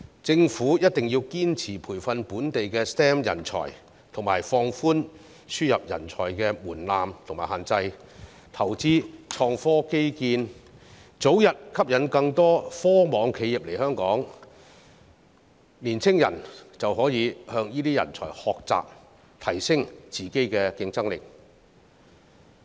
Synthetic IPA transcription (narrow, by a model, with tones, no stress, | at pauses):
t͡sɪ˧ŋfuː˨˥jɐ˥t̚t̪ɪ˨ŋji˧wkiː˥nt͡sʰiː˨˩pʰuː˨˩jfɐ˧npuː˨˥nt̪e˨jkɛː˧st̪ɛ˥mjɐ̰˨˩nt͡sʰɔ̰ː˨˩j | t̪ʰʊ˨˩ŋmaː˨˩jfɔː˧ŋfuː˥n | syː˥jɐ˨p̚jɐ̰˨˩nt͡sʰɔ̰ː˨˩jkɛː˧muː˨˩nlaː˨mt̪ʰʊ˨˩ŋmaː˨˩haː˨nt͡sɐ˧j | t̪ʰɐ˨˩wt͡siː˥t͡ʃʰɔː˧ŋfɔː˥ke˥jkiː˧n | t͡so˨˥wjɐ˨˩t̚kʰɐ˥p̚jɐ˨˥nkɐ˧ŋt̪ɔː˥fɔː˥mɔː˨˧ŋkʰe˨˧ji˨p̚le˨˩jhœː˥ŋkɔː˨˥ŋ | liː˨˩nt͡sʰɪ˥ŋjɐ̰˨˩nt͡sɐ˨wɦɔː˨˥jiː˨˧hœː˧ŋjiː˥t̪iː˥jɐ̰˨˩nt͡sʰɔ̰ː˨˩jhɔː˨k̚t͡sa̰ː˨p̚ | t̪ʰɐ˨˩jsɪ˥ŋt͡siː˨ke˥jkɛː˧kɪ˧ŋt͡sɐ˥ŋlɪ̰˨k̚